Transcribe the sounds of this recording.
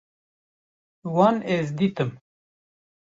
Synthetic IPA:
wɑːnezd̪iːt̪ɨm

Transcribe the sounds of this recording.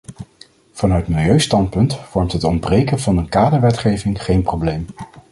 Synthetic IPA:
v̥ɑnœɥtmɪlˠjøɥstɑnt̚pɵntfɔɹmtɦətɔnbrejkənvɑnənkaːdəɹʋɛtχejvɪŋχejnprowblejm

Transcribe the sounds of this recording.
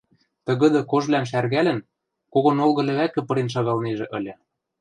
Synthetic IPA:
t̪ɤ̆ɣɤ̆d̪ɤ̆koʒβlænʃærɣælɘ̆n | koɣŏnolɣɤ̆lʲɘ̆βækɘ̆pɤ̆ɾenʃ̬ɑɣɑlneʒĕʔɤ̆lʲɤ̆

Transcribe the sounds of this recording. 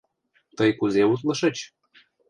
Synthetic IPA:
t̪əjkuzeut̪lɤ̆ʃɤ̆t͡ɕ

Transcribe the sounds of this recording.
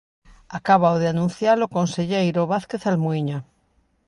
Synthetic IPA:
akaβ̞awðeanũn̟θjalokonseʎejɾoβaθkeθalmuiɲa

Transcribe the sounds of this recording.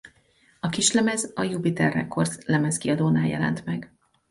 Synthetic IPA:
ɒkiʃlɛmɛzɒjupit̪ɛrːɛ̰kːorzlɛmɛskiɒd̪oːnaːjɛ̰lɛ̰nt̪mɛɡ

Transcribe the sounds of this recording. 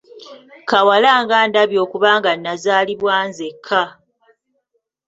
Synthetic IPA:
kawalaːŋɡaːndaβjo̞ːkuβaːŋɡanːazaːliβwaːnzekʰːa

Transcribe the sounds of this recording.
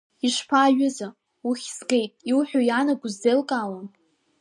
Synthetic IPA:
iʂpʰaːɥʊza | uχʲsɡe̞jtʼiwħʷᶣojanaɡʷʼuzdelkʼaːlan

